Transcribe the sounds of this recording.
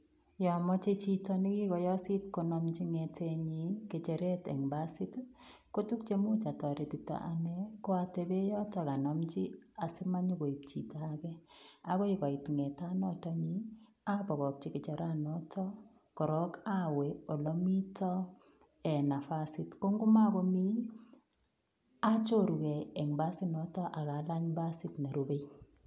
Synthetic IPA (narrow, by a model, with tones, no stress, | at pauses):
jɔ˨mɔ˦t͡ʃe˦t͡ʃi˦tɔ˦nɪ˦ki˦kɔ˨jɔ˦si˦tko˨nɔ˨mt͡ʃi˦ŋetʰe˦˧ɲi˨˦ke˨t͡ʃe˨ɾe˦tɛ̰˨ŋba˦sɪ˦tko˦tu˦k̚t͡ʃe˦mu˦t͡ʃa˨tɔ˨ɾe˨ti˨ta̰˨ʔa̰˨nɛ˦ko˦a˨te˨be˦jɔ˦tɔ˨ka˨nɔ˨mt͡ʃi˦a˨sɪ˦ma˦ɲo˦ko˨i˨p̚t͡ʃḭ˨ta˦kɛ˦a˦ko˦i˦kɔ˨i˨tŋɛ˨ta˦nɔ˦tɔ˦ɲi˦ | a˦bɔ˨ɣɔ˨k̚t͡ʃi˦kɪ˨t͡ʃa˨ɾa˦nɔ˦tʰɔ˦ | kɔ˨ɾɔ˦ka˦we˨o˨lɔ˦mi˦tɔ˦ | ɛ˨na˨fa˦sɪtko˦ŋɡu˦ma˦kɔ˦mi˦ | a˦t͡ʃo˦ɾu˨kɛ˨ɛ˨ŋba˦sɪ˦nɔ˦tɔ˦ʔa˨ka˨˦la˦ɲba˦sɪ˦tna˨ɾobe˦j